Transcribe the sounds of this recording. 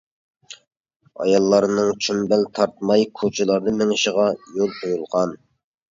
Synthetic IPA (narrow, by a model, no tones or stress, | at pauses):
ɑ̰jɑlˠːɑɾnɨŋt͡ʃʰumbælt̪ʰɑɾt̪̚mɑjkʰot͡ʃʰɪlˠɑɾd̪ɨmɪŋɪʃəʁɑjolˠqʰojulˠʁɑn